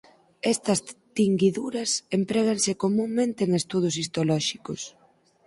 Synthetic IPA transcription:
ɛst̪ɐst̪iŋɡiðuɾɐsempɾɛɣ̞ansɪkomũŋmẽnt̪eːŋest̪uð̞ʊs̬ist̪olɔʃikʊs

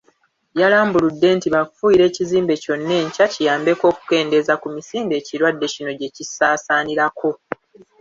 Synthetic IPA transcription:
jalaːmbuludːe̞ːntiβakfujiɾe̞ːciziːmbe̞co̞nːe̞ɲcacijaːmbe̞ko̞ːku̥ke̞ːnde̞zakumisiːmbe̞ːciɾwadːe̞cino̞ɟe̞cisaːsaːniɾakʰo̞

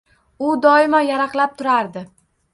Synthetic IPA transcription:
ʊd̪ɒɪmajaɾɑqlˠap̚t̪ʰʊɾaɾd̪ɪ

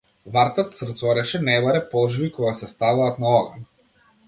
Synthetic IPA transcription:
vaɾt̪at̪srt̪sɔɾɛʃɛnɛbaɾɛpɔlˠʒbikɔɡasɛst̪avaːt̪naɔɡan

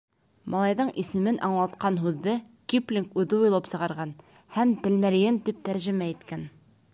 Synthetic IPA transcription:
mʔɑlˠɑjðɤɴʔisɘ̆mɘnʔɑɴlˠɑt̪qɑnɦʉðːɘ | kiplʲiŋkʉðɘujlˠɤpsɤ̆ʁɑɾʁɑn | hæmt̪ɘ̆lmælɘ̆ɡɘnt̪ip̚t̪æɾʒɘ̆mæit̪kæn

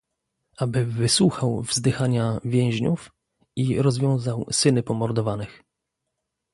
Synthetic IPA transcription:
abɘvɘswuxawvzd̪ɘxaɲavʲjɛ̃w̃ʑɲuf | iɾɔzvʲjɔ̃w̃zawsɘnɘpɔmɔɾd̪ɔvanɘx

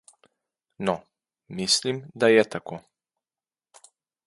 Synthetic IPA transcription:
nɔ | mislimd̪ajɛt̪akoː

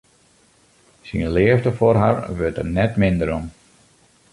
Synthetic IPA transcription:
sinlɪəfdəforɦaɹʋøtə̰rnɛtmɪndəɾɔm

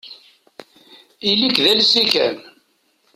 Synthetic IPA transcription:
ilikðælsikæ̰n

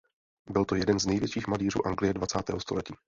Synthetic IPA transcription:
bɪlt̪o̞jɛdɛnznɛjvjɛt͡ʃiːxmaliːr̝ṵːʔaŋɡlɪjɛdvat͡saːt̪ɛ̰ːɦost̪o̞lɛciː

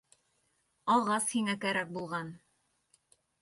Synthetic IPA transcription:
ɑlˠʁɑshiŋækæɾæk̚bulˠʁɑn

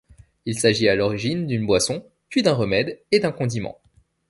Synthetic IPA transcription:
ilsaʒialɔʁiʒind̪ynbwasɔ̃ | pɥid̪ɛ̃ʁəmɛd̪ed̪ɛ̃kɔ̃d̪imɑ̰̃

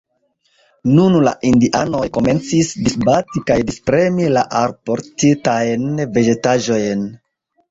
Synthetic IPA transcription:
nunla̰ʔindiʔa̰no̞jko̞me̞nt͡sisdisbatikajdispɾe̞milaʔaɾpoɾtitajnve̞d͡ʒe̞taʒo̞jn

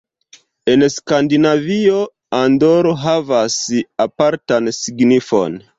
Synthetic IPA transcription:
e̞nskandinavio | andoɾoɦavasapaɾtansiɡnifo̞̰n

